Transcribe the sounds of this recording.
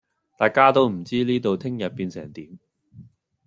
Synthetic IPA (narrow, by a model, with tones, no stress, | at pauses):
t̪aː˨jkaː˥t̪o˥wm̩˨˩t͡siː˥liː˥t̪o˨wt̪ʰɪ˥ŋjɐ˨t̚piː˨˧nsɛ̰ː˨˩ŋt̪iː˨˥m